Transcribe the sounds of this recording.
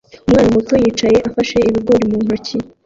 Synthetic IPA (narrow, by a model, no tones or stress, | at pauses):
umŋaːnamutojiːt͡ʃaje̞ʔafaʃe̞iβiɡo̞ːɾimuːŋoɾci